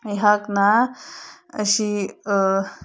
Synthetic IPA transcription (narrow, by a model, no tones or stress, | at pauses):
jɦakna | əɕi